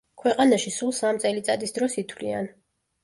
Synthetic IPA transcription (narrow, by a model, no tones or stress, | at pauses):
kʰwɛqʼanaʃisulˠsamt̪sʼɛlit̪sʼad̪isd̪ɾɔsit̪ʰwlḭa̰n